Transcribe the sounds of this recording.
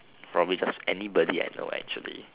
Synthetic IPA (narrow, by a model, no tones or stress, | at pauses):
pʰɹɔbblid͡ʒasɛnibɔdia̰jno̰ɛ̰k̚t͡ʃuəlḭ